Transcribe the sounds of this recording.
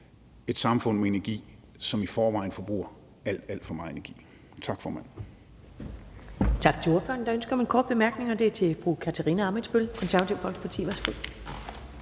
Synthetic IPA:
e̝d̥sɑ̈mfɔ̽n̰meenæɐɡ̥ḭː | sɒ̽mifɒːʋɑ̈ɪ̰n̩fɒ̽b̥ʁṵɐ | æl̰d̥æl̰d̥fɒmɑ̈ːð̩ˠe̝næɐɡ̥ḭː | t͡sʰɑ̈ɡ̥fɒːmænn̩ | t͡sʰɑ̈ɡ̥t͡sʰe̝o̝ɐfø̰ːɐn̩d̥ɑ̈ønsɡ̥ɐmenkʰɒːd̥̚b̥e̝mæɐɡ̥ne̝ŋɐd̥e̝æt͡sʰe̝fʁukʰæt͡sʰæʁḭːnəɑ̈me̥sb̥ølkʰɒ̽nsæɐʋæt͡sʰiʊfɒ̽l̰ɡ̥spʰɑt͡sʰḭːʋæsɡ̥o

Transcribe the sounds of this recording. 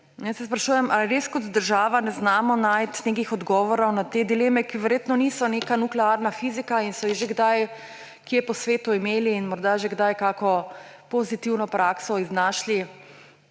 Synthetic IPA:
njasɛspɾaʃuːjɛmʔaiɾeːskɔt̪d̪əɾʒaːʋanɛznaːmɔnaːjt̪nekixɔd̪ɡɔːʋɔɾɔwnat̪ed̪ileːmɛkiʋɛɾjeːt̪nɔnisɔnekanuklɛaɾnafizikainsɔjiʒeɡd̪aj | kiɛpɔsʋeːt̪uimeːliːnmɔɾd̪aʒeɡd̪ajkakɔ | pɔzit̪iwnɔpɾaːksɔiznaʃli

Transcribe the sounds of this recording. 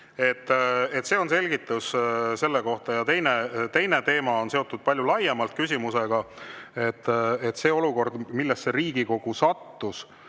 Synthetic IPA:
e̞t̪ːˑet̪ːse̞ːo̞nse̞lʲɡ̥it̪ːˑusse̞lːeko̞ht̪ɑjɑt̪e̞jnet̪e̞jne̞t̪e̞ːmɑo̞nseo̞t̪ːˑud̪̥̚pɑlʲjulɑjːemɑlt̪̚ˑkysʲimuse̞ɡ̥ɑe̞t̪ːˑet̪ːse̞ːo̞luko̞rd̪milːest̪se̞ɾiːɡ̥iko̞ɡ̥usɑt̪ːus

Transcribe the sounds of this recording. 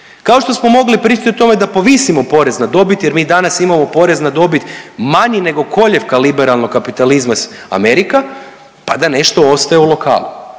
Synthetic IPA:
kao̞ʃt̪o̞smo̞mo̞ɡlipɾiːt͡ʃit̪ʲiot̪o̞me̞d̪apo̞ʋisimo̞po̞ɾe̞znad̪o̞bit̪je̞ɾmiːd̪anasimamo̞po̞ɾe̞znad̪o̞bit̪maɲine̞ɡo̞kʰo̞ʎe̞ʋkalibeɾalˠnokkːapit̪alizmasa̰me̞ɾika | pad̪ane̞ʃt̪o̞o̞st̪ajeulˠo̞ka̰ːlˠṵ

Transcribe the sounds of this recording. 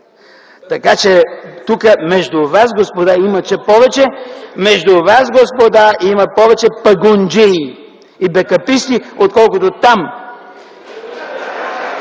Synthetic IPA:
t̪ɐkat͡ʃɛt̪ukəmɛʒd̪ʊvasɡospod̪aimɐt͡ʃɛpɔvɛt͡ʃɛmɛʒd̪ʊvasɡospod̪aimɐpɔvɛt͡ʃɛpɐɡʊnd͡ʒɛi | ibɛkɐpist̪iot̪̚kɔlˠkot̪ot̪am

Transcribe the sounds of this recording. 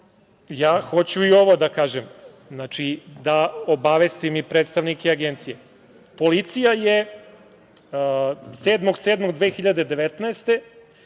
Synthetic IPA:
jaːxo̞t͡ɕuio̞ʋo̞d̪akaːʒem | znat͡ʂid̪ao̞baʋest̪imipɾeːt̪st̪aʋnikeaɡent̪sije | po̞lit̪sijaje | seːd̪mo̞ɡseːd̪moɡd̪ʋeːxiʎad̪e̞d̪eʋet̪naest̪e̞

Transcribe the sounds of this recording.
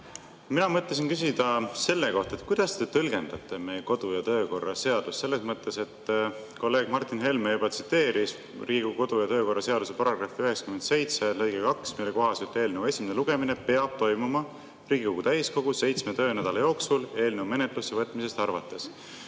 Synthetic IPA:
minɑmɤt̪ːˑesinkys̬id̪̥ɑse̞lːe̞ko̞ht̪ɑet̪ːˑkujd̪̥ɑst̪e̞t̪ɤlɡ̥e̞nd̪̥ɑt̪ˑːe̞me̞jeko̞d̪̥ujɑt̪ø̞ːko̞rːɑse̞ɑd̪̥usse̞lːe̞smɤt̪ːˑe̞se̞t̪ː | ko̞lːe̞ːɡ̥mɑrt̪ˑːinɦe̞lmejub̥ɑt̪si̥t̪ːˑe̞ːɾis | rʔiːɡ̥uko̞d̪̥ujɑt̪ø̞ːko̞rːɑse̞ɑd̪̥use̞pɑɾɑɡ̥rɑfiyɦeksɑ̥kymed̪se̞jt̪se̞lɤjɡ̥ekɑksmijlːeko̞ɦɑsyt̪ːe̞ːlne̞wue̞sʲimeneluɡ̥e̞mine̞pe̞ɑb̥̚t̪o̞jmumɑ | riːɡ̥iko̞ɡut̪æjsko̞ɡ̥use̞jt̪sme̞t̪ø̞ːnæd̪̥ɑlɑjo̞ːksule̞ːlne̞wme̞net̪ˑlusːevɤt̪ːˑmise̞st̪ɑrvɑt̪ːˑe̞s

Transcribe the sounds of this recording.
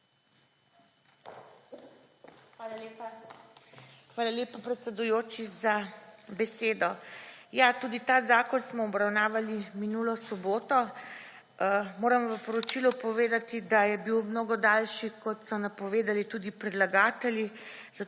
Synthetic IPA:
ʋalalepa | xʋaːlaleːpapɾɛt̪sɛd̪ujoːt͡ʃizabɛseːd̪ɔjat̪uːd̪it̪aːzaːkɔnsmɔɔbɾawnaːʋaliminulɔsɔboːt̪ɔ | moːɾɐmʋəpɔɾɔt͡ʃilupɔʋeːd̪at̪id̪ajɛbiwmnoːɡɔd̪alʃikɔt̪sɔnapɔʋeːd̪alit̪uːd̪ipɾɛd̪laɡaːt̪ɛljiza

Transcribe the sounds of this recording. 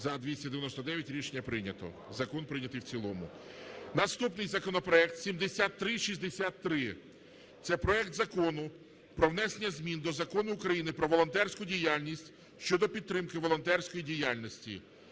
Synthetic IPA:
zɐd̪ʋʲisʲtʲɐd̪ejɐnɔsɔd̪ɛjɐtʲɾʲiʃenʲːɐpɾɪnʲɐt̪ɔ̰ | zɐkɔnpɾɪnʲɐt̪ɪjwt͡sʲilˠɔmʊ̰nɐst̪upnɪjzɐkɔnɔpɾɔɛk̚t̪sʲimd̪esʲat̪ːɾɪʃizʲd̪esʲat̪ːɾɪ | t̪sɛpɾɔɛkt̪zɐkɔnʊ | pɾɔwnɛsenʲːɐzʲmʲind̪ɔzɐkɔnʊːkɾɐjinɪpɾɔʋɔlˠɔnt̪ɛrsʲkʊdʲijalʲnʲisʲtʲ | ʃt͡ʃɔd̪ɔpʲid̪̚t̪ɾɪmkɪʋɔlˠɔnt̪ɛrsʲkɔjidʲijalʲnɔsʲtʲḭ

